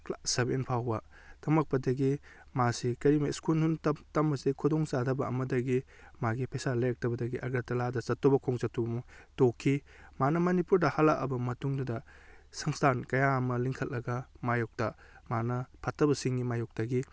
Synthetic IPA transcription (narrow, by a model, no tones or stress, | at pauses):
klasɐbḛnpʰawbɐtɐmɐk̚pɐdɐɡi | masikɐɾimɐiskunhuntɐtɐmɐzekʰudɔŋsadɐbɐɐmɐdɐɡi | maɡipʰesalɐjɐk̚tɐbɐdɐɡiʔɐɡɐtɐladɐsɐtːɔbɐkʰoŋt͡ʃɐtːɔbɐmutokʰːimanɐmɐnipuɾdɐhalːakʔɐbɐmɐtuŋdudɐsɐŋstʰankɐjamɐliŋkʰɐt̚lːɐɡɐmajok̚tɐ | manɐpʰatːɐbɐsiŋɡimajɔk̚tɐɡi